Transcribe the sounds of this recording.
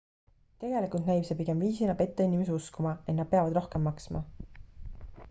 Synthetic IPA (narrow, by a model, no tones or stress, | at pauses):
t̪e̞ɡ̥e̞likult̪næjpsepiɡe̞mviːsinɑpe̞t̪ˑːeinʲimes̬euskumɑe̞t̪nɑd̪̥̚pe̞ɑvɑd̪̥ro̞hke̞mːɑksmɑ̰